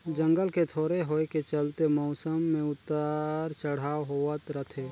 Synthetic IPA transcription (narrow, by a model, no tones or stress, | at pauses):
d͡ʒə̃ŋɡəlket̪ʰoːɾeɦoːket͡ʃəlt̪emɔʊsəmːẽʊt̪ːaɾt͡ʃəɽ̤aːoɦoət̪ɾət̪ʰeː